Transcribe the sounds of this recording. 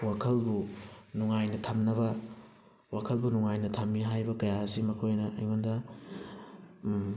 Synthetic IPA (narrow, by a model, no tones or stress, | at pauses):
wakʰɐlbunuŋajnɐtʰɐmnɐβɐ | wakʰɐlbunuŋajnɐtʰɐmːiɦajbɐkɐjaɐsimɐkʰojnɐʔɐjŋondɐ